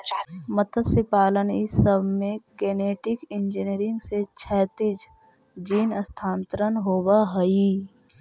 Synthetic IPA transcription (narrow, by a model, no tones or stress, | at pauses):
mət̪ʰəsɪpaːlənɪsəbmẽkeːneːʈɪkɪ̃nd͡ʒiniɾɪ̃ŋɡset͡ʃʰɛːt̪ɪd͡ʒ | d͡ʒiːnəst̪ʰaːnt̪ɾənɦoːwaɦɐi